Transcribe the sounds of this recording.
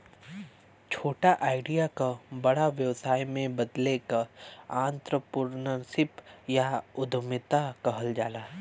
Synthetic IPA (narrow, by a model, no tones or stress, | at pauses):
t͡ʃʰoːʈaʔaːɪɖijakabɐɽaʋjəwsaːjmẽbɐd̪lekəaːnt̪ɾəpuɾnəsɪpjaʊd̪ʱmɪt̪akɐɦəld͡ʒaːlaː